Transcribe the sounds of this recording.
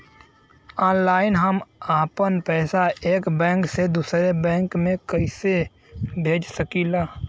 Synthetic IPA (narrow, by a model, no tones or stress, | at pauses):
ɔːnlaːɪnɦəmaːpənpɛːsaʔeːkbɛ̃ːŋksed̪uːsɾebɛ̃ːŋkmẽkəɪse | bʱeːd͡ʒsəkiːlaː